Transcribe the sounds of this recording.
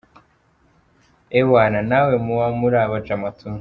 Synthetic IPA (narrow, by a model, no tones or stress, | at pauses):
ewananawemuwamuɾaβad͡ʒamatʰun